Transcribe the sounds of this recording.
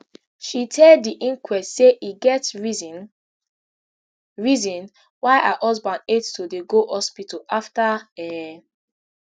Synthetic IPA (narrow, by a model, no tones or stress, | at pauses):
ʃitʰɛldːiʔĩŋkwɛstseʔiɡɛt | ɹizɔ̃n | waɪʔahɔsbãndetstodeɡohɔspitɔaftaɛ